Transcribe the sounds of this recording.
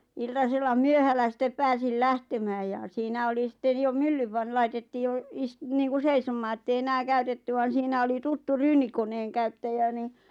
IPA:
iltɑselːɑ myøhælːæ sitːep pæːsil læhtemæːj jɑ siːnæ oli sĭtːen jo mylːyʋ ʋɑn lɑitetːiː jo istniːŋku seisomˑɑː etːei enæː kæytetːy ʋɑn̞ siːnæ oli tutːu ryːnikonˑeːŋkæytːæjæ ni

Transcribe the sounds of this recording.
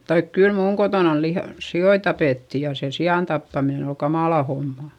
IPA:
tɑik kyl muːŋ kotoˑnɑn lih sioi tɑpeˑtːi jɑ se siɑˑn tɑpːɑminen ol kɑmɑˑlɑ homːɑ

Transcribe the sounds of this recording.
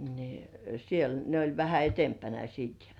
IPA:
ni siel ne olʲ ʋæhæ etempænæ siːt

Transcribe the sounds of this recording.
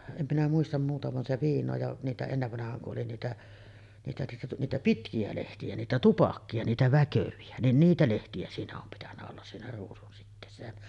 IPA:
em minæ muistɑm muːtɑ ʋɑn se ʋiːnˑoː jɑʔ niːtæ enːeʋːɑnɑhˑɑːŋ kuʔ ʔoli niːtæ niːtæ niːtæ niːtæ pitkiæ lehtiæ niːtæ tupɑkːiɑ niːtæ ʋækøʋiæ nin niːtæ lehtiæ siːnæ om pitænːæ olːɑs siːnæ ruːsunsitːeːsːæ jæ

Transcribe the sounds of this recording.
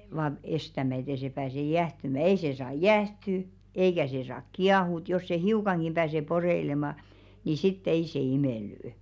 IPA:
ʋɑːn̥ estæmæ et ei se pæːse jæhtymæ ei se sɑː jæˑhty eikæ se sɑːk kiɑhuˑt jos se hiukɑŋɡ̊im pæːse poreilemɑˑ ni sitː ei se imeˑlːy̆y̆

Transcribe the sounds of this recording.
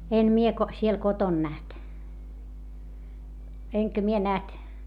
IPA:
en mie ko siel koton næht eŋkæ mie næht

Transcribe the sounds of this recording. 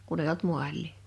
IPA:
kun ei olt muɑlˑiˑ

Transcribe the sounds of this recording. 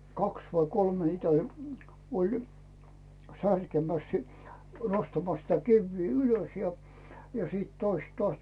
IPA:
kɑks ʋɑi kolme heitæ olʲ olʲ særkemæs si nostɑmɑs sitæ kiʋːiː yløs jɑ siːt toist tŏɑˑs

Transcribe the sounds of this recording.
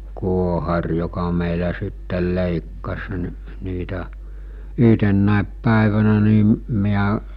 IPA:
kuohɑr jokɑ meˑilæ sitːel leˑikːɑs ni̞ niːtæ yɦtenːæˑep pæˑeʋænæ niˑ miæ

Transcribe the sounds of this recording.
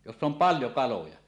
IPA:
josː om pɑljo kɑlojɑ

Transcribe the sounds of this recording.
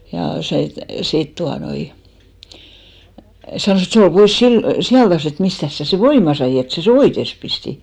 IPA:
jɑ se sit tuɑnoi sɑnoˑs et se ol pois sil sijɑltɑs et mistæs sæ se ʋoimɑ sɑi et sæ se oites pisti

